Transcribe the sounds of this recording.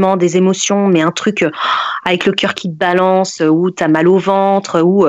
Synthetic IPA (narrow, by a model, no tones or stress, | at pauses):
mɑ̃d̪ezemɔsjɔ̃mɛɛ̃t̪χykøavɛkləkʲœʁkʲʰit̪̚balɑ̃søut̪yamalovɑ̃t̪χøu